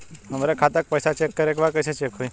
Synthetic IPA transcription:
məməɾekʰat̪ək̚pəjsat͡ʃekːəɾek̬baɾkəjset͡ʃekɦoi

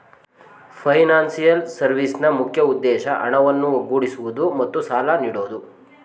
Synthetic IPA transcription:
pʰɐjnaːnsijɐlsɐɾʋisnɐmukʰjɐud̪ːɛːʃɐʔɐ̰ɳɐʋɐnːuɐɡuːɽisuʋud̪umɐt̪ːusaːlaniːɽoːd̪u

